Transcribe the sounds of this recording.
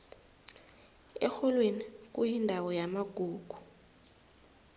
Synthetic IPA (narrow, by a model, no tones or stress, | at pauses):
ɛ̰xɔlwenik̬ʼujindʱawɔjamaɡ̥ʱuːɡ̥ʱu̥